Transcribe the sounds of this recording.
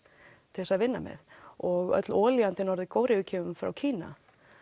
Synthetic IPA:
t̪ʰɪɛsaðvɪnːa̰mɛ̰ðɔɣœ̰t̪lɔːlijant̪ɪnɔɾðɪkoːwɾɪʏːcʰɪvʏmfɾa̰wcʰiːna̰

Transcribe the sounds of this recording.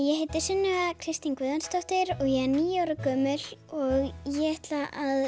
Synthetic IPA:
jɛɦeːjt̪ɪɾ̥sʏnːʏɣakʰɾɪst̪iŋkvɪːðanst̪ɔht̪ɪɾɔɣjɛɛɾniːjɪaːwɾʏkœːmʏlɔɣjɛɛht̪laʔað

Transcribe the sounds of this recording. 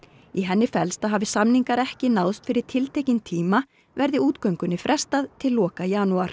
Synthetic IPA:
iɦɛnːɪfɛlst̪aɦaːvɪsamniŋkaɾɛhcɪnaːwst̪fɪɾɪɾ̥t̪ʰɪlt̪ʰejcɪnt̪ʰiːma | vɛɾðɪuːt̪kœɥŋkʏnːɪfɾʔɛst̪aðt̪ʰɪlːɔːkajaːnuaɾ̥

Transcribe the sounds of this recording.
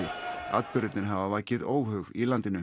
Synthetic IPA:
ɪa̰t̪pʏɾʏt̪nɪɾɦavavaːcɪðoːwhœɣilant̪ɪnʏ

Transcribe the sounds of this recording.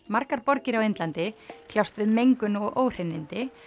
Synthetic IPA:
maɾkaɾpɔɾcɪɾawejnt̪lant̪ɪkʰlawst̪vɪðmejŋkʏnɔɣʔoːwr̥enːɪnt̪ɪ

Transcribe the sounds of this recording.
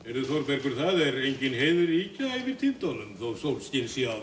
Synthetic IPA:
ɛɾðʏθɔɾpɛɾkʏɾ̥θaðɛɾejɲcɪnɦeːjðʏɾicaivɪðt̪ʰɪnt̪ɔnʏmθowsowlscɪlsja

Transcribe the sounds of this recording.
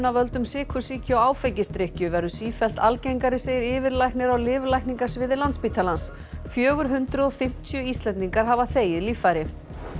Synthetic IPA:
navœlt̪ʏmsɪːkʰʏsiːcʏawaːwfɛjcɪst̪ɾɪhcʏvɛɾðʏsiːfɛl̥t̪ʰalcejŋkaɾɪseːjɪɾɪːvɪɾlajknɪɾawlɪːvlajkniŋkasvɪːðɪlant̪spiːt̪ʰalans | fjœːɣʏɾ̥ɦʏnt̪ɾʏðɔfɪm̥t̪ʰjʏist̪lɛnt̪iŋkaɾ̥ɦaːvaθeːjɪðlifajɾɪ

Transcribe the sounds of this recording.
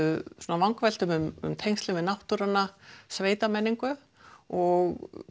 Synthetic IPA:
suːnavaŋkvɛl̥t̪ʏmʏmʏ̰mt̪ʰejŋst̪lɪvɪðnawht̪uɾanːasveːjt̪amɛnːiŋkʏ | ɔɣ

